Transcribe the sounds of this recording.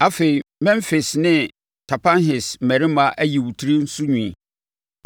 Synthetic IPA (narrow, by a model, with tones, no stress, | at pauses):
a˦fe˨i˨mɛ̃˦mfe˨snɪ̃˦ | tʰa˨pʰã˦nɦɪ˨smæ˨ɾɪ˦mã˨ʔæ˦ji˨wu˨tʰi˦ɾi˦n̩˦su˦ɲũ˨